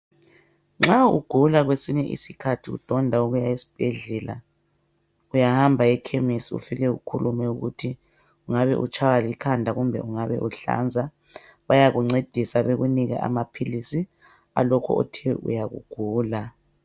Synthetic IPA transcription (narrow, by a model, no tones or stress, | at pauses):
ŋ͡ǁaṵɡ̥ʱulaɣwesiɲɛʔḭsikʰatʰiɣṵd̥ʱɔndʱauɣujaisi̥b̥ʱɛɮɛla̰ | ujahambʱaɛkʰemisiṵfiɣɛṵkʰulumɛuɣṵtʰi | uŋaβɛ̰ʔṵt͡ʃʼʰawalikʰandʱaɣumbʱɛ̰ʔuŋaβɛ̰ʔuɬa̰nd͡zʱa | βajaɣuŋ͡ǀed̥ʱisaβeɣuniɣa̰ʔa̰mapʰilisi | a̰lɔkʰɔ̰ɔ̰tʰɛʔṵjaɣṵɡ̥ʱuːla